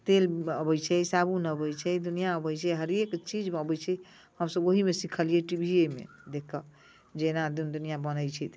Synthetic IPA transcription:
t̪eləbəjt͡ʃʰɛsabʱunəbəjt͡ʃʰɛd̪unijaəbəjt͡ʃʰɛɦəɾekt͡ʃid͡ʒəbət͡ʃʰɛ | həmsəboɦimesikʰəliɛʈibʱiemḛ̃ | d̪ekʰːə | d͡ʒenad̪und̪unijabənəjt͡ʃʰɛt̪ʰ

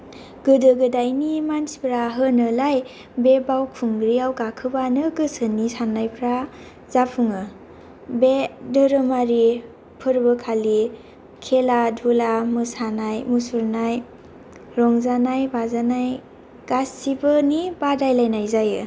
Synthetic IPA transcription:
ɡ̥ɯdɯɡɯdajnimansi̥pʰɾaɦɯnɯlaj | bebawkʰuŋɡɾiawɡakʰɯbanɯɡɯsənisanːajpʰɾa | zapʰuŋɯ | bedɯɾɯmaɾi | pʰɯɾbɯkʰali | kʰeladʱulamɯsanajmusuɾnaj | ɾɔŋzanajbazanaj | ɡ̥asibɯnibadajlajnajzajɯ

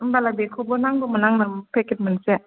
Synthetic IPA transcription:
mbalabekʰɔbɔnaŋbɔmanaŋnapʰeket̚manse

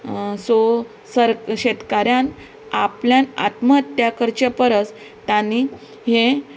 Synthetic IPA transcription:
so | səɾɕet̪kaɾjãn | apljãna̰t̪mət̪ːjakəɾt͡ɕapəɾət͡s | t̪ani | he

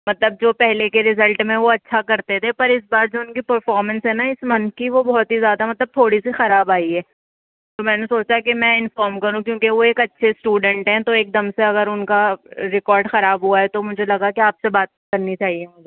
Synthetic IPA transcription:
mɐt̪ləb̚d͡ʒoːpɛɦlekeɾɪzəlʈmẽʋoɐtːʃʰakɐɾt̪et̪ʰepɐɾɪsbaːɾd͡ʒoːʊnkipɐɾfɔːɾmə̃nsɦɛnaɪsmɐnkiʋobɔɦɔt̪ɦizjaːd̪amɐt̪ləb̚t̪ʰoːɽisixɐɾaːbaːiɦɛː | t̪omɛ̃ːnesoːt͡ʃakemɛ̃ɪnfɔːɾmkɐɾũkjõːkeʋoeːkɐtːʃʰesʈuːɖə̃ɳʈɦɛ̃t̪oeːk̚d̪ɐmseɐɡəɾʊnkaɾɪkɔːɾɖxɐɾaːbɦuaɦɛt̪omʊd͡ʒʱelɐɡakeaːpsebaːt̪̚kɐɾnit͡ʃaːɦiemʊd͡ʒʱe

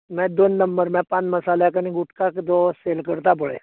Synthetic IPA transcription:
mɛ̃d̪oːnːəmbəɾmɛ̃pãːt͡ʃməsaːlekənĩɡʊʈʰkakd̪oseːlkəɾt̪ap̬əɭe

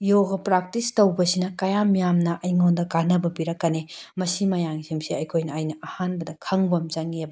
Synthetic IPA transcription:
joɡɐpɾak̚tistɐwbɐsinɐkɐjamijamnɐʔɐjŋondɐkanɐbɐbiɾɐkːɐnemɐsimɐjaŋsimsiɐjkʰojnɐːjnɐːhanbɐdɐkʰɐŋbɐmt͡ʃɐŋiebɐ

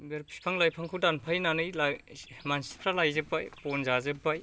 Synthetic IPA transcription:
beɾpʰi̥spʰaŋlajpʰaŋkʰɯwdanpʰajnanɯjlamansi̥pʰɾalajzɯpajpɔnzazɯpːaj

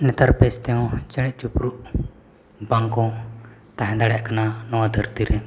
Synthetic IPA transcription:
nɛt̪aɾpɛst̪ɛɔ̃t͡ʃəɽ̃ɛʔt͡ʃupɾuʔ | baŋkɔ̃t̪aɦɛ̃d̪aɽɛʔkananɔwad̪ʱəɾt̪iɾɛ

